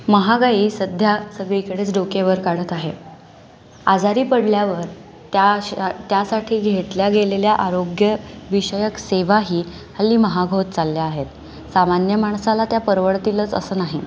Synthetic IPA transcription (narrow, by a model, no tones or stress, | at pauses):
məɦaɡaiːsəd̪ʱjasəɡɭikəɽet͡sɖokeʋəɾkaɽ̤ət̪aɦe | ad͡zaɾiːpəɽljaʋəɾ | t̪at̪jasaʈʰiːɡʱeʈljaɡʱeleljaʔaɾoɡjəʋiɕəjəkseʋaɦiː | alːiːməɦaɡʱot̪t͡salːjaːɦet̪ | samanjəmaɳ̃salat̪japəɾʋəɭt̪ilət͡sə̰səːnaɦi